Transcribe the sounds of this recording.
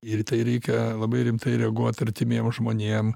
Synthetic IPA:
ɪɾt̪ɐɪɾʲɛɪkʲɛlˠɐbɐɪɾʲɪmt̪ɐɪɾʲɛɐɡuɔt̪ɐɾʲt̪ʲɪmʲeːmʒmoːnʲeːm

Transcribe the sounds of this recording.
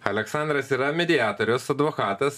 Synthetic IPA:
ɐlʲɛksɑˑnd̪ɾɐsiːɾɐmʲɛd̪ʲɪɑːt̪oɾʲɛʊsɐd̪ʋokɑːt̪ɐs

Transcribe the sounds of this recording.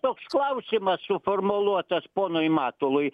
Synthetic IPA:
t̪oːksklˠɐʊsʲɪmɐssuformolˠuɔt̪ɐspoːnojmɑːt̪olˠʊj

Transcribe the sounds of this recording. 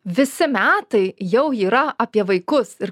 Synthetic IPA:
ʋʲɪsʲɪmʲæːt̪ɐɪjɛʊiːɾɐɐpʲiɛʋɐɪkʊsɪɾ

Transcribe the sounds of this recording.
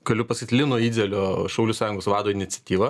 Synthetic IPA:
ɡ̥ɐlʲʊpɐsʲɪt̪ʲlʲɪnoɔiːd̪ʲɛlʲoːʃɐʊlʲuːsɑːjʊŋɡoːsʋɑːd̪oːɪnʲɪt̪sʲɛt̪ʲiːʋɐ

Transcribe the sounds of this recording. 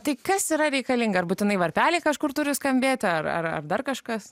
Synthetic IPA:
t̪ɐɪkɐsiːɾɐɾʲɛɪkɐlʲiŋɡɐɐrbuːt̪ʲɪnɐɪʋɐɾʲpʲæːlʲɪːkɐʃkʊrt̪ʊɾʲʊskɐmʲbʲeːt̪ʲɐrɐ̰rɐ̰rd̪ɐrkɐʃkɐs

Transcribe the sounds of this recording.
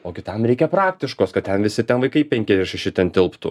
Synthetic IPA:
oːkʲɪt̪ɐmɾʲɛɪkʲɛpɾɑːk̚t̪ʲɪʃkoːskɐt̪̚t̪ʲɛnʋʲɪsʲɪt̪ʲɛnʋɐɪkɐɪpʲɛŋʲkʲɛzʲdʲɛʃʲɛʃʲɪt̪ʲɛnt̪ʲɪlˠpt̪ʊ

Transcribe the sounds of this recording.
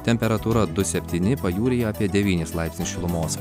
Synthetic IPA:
t̪ʲɛmʲpʲɛɾɐt̪uːɾɐd̪ʊsʲɛpʲt̪ʲiːnʲɪpɐjuːɾʲeːjoɐːpʲiɛd̪ʲɛʋʲiːnʲeːslˠɑˑɪpʲsnʲɪsʃʲɪlˠʊmoːs

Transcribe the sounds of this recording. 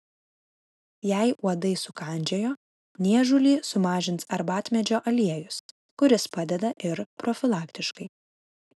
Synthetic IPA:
jɛˑɪuɔd̪ɐɪsʊkɑˑnʲd͡ʒʲɛjoː | nʲiɛʒʊlʲiːsʊmɑːʒʲɪnt̪sɐɾbɑːt̪ʲmʲɛd͡ʒʲoːʔɐlʲiɛjʊs | kʊɾʲɪspɑd̪ʲɛd̪ɐʔɪɾpɾɔfʲɪlˠɑːkt̪ʲɪʃkɐɪ

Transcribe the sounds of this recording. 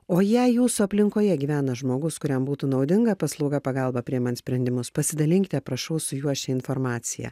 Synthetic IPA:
oːjæjuːsʊɐpʲlʲɪŋkoːjɛɡʲiːʋʲæːnɐʒmoːɡʊskʊɾʲɛmbuːt̪uːnɒʊd̪ʲɪŋɡɐpɐslˠɒʊɡɐpɐɡɐlˠbɐpʲɾʲiɛmɐnsʲpʲɾʲɛnd̪ʲɪmʊspɐsʲɪd̪ɐlʲɪŋʲkʲt̪ʲɛpɾɐʃɐʊsʊjuɔʃʲtʲɛɪnfoːɾmɑːt̪sʲɪjɛ̰

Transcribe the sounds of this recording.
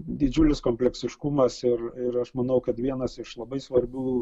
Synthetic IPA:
d̪ʲɪd͡ʒʲʊlʲɪskoːmʲpʲlʲɛksʲɪʃkʊmɐsɪɾɪɾɐʃmɐnɐʊkɐt̪ʋʲiɛnɐsɪʃlˠɐbɐɪsʋɐɾʲbʲuː

